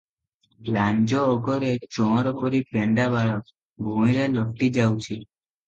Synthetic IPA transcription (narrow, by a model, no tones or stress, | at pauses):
land͡ʒɔːɡɔɾet͡ʃɔ̃ɦɔɾɔpɔɾipeɳɖabaɭɔk | bʱumiɾelɔʈːid͡ʒawt͡ʃʰi